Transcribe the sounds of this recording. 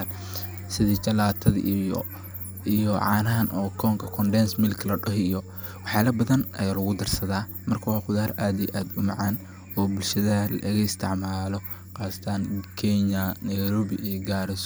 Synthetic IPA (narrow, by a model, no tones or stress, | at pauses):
sɪðit͡ʃɐlaːt̪ʰɐðḭj̰ | ijɔʕɑ̰ːnɐɦɐnʔɔːkʰɔːŋkʰɐkʰɔnɖɛnsmɪlkʰlɐɖɔɦɪjɔ | wɑħjaːlɐbɐðɐnɐ̰jaːlɐɣʊd̪ɐrsɐðaː | mɐrkʰɐwɑːqʊðaːɾaːd̪ijʔaːd̪ʊmɑʕaːn | ɔːbʊlʃɐðɐɦɐlɐ̰ʔɪɣɐɪst̪ʰɪʕmaːlɔ | qɑːst̪ʰaːnkʰɛɲɐnɐjɾɔːβɪɡaːɾɪs